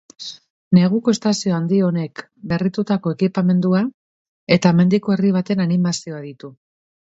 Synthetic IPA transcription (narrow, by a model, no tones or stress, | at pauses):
ne̞ɣ̞uko̞est̪asio̞and̪io̞ne̞k | be̞rit̪ut̪ako̞e̞kipame̞nd̪ua | e̞t̪ame̞nd̪iko̞e̞riβ̞at̪e̞nanimasio̞aðit̪u